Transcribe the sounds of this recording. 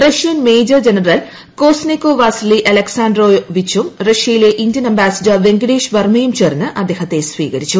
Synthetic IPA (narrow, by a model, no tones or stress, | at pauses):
rɐʂijɐnmejd͡ʑɐrd͡ʑenɐrɐl | koːsnikːoʋaːsliʔɐlɐksaːndroːʋit͡ɕːumrɐʂjɐjileʔindijɐnɐmbaːsɐd͡ʑɐʋeŋɡɐɽeːʂʋɐrmɐjumt͡ɕernːɨʔɐd̪ːeːhɐt̪ːe̞sʋḭːɣɐɾit͡ɕːu